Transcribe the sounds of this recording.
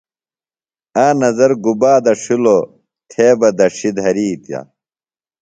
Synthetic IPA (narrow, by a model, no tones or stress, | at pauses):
aːnɐzɐɾɡubaːd̪ɐʂilo | t̪ʰeːbɐd̪ɐʂid̪ɦɐɾiːt̪ja̰